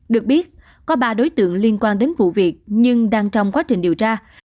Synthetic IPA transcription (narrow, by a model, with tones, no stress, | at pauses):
ɗɨ˨˩ək̚ɓi˦˥ət̚ | kɔ˨˦ɓaː˧˩ɗo˨˦jt̪ɨ̰˧˨əŋli˧ənkwaː˧nɗe˨˦nvṵ˧˨vi˨˩ək̚ɲɨ˧ŋɗaː˧ŋt͡ɕɔ˧wŋ͡mkwaː˨˦t͡ɕï˨˩ŋ̟ɗi˨˩əwt͡ɕaː˧